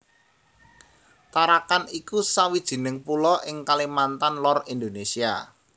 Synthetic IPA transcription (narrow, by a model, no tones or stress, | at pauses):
t̪aɾakanikusawid̥ʒ̥i̤nɪŋpulɔʔɪŋkalimant̪anlɔrind̪onesia̰